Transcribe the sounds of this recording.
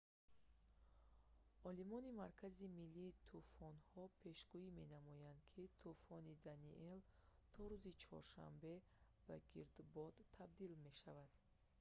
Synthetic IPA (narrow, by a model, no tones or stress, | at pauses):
ɔlimɔnimaɾkʰazimilːiːt̪ʰufɔnhɔpʰe̞ʃɡuime̞namɔjand̪kʰit̪ʰufɔnid̪aniʔelt̪ʰɔɾuzit͡ʃʰɔ̰ɾʃa̰mbe̞ | b̥aɡiɾd̪bɔd̪ʰab̚d̪ilme̞ʃavad̪̥